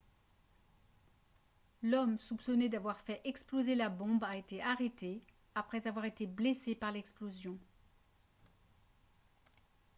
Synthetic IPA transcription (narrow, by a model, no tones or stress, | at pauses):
lɔmsupsɔned̪avwaʁfɛʔɛksplozelabɔ̃baet̪eʔaʁet̪e | apχɛzavwaʁet̪eblesepaʁlɛksplozjɔ̃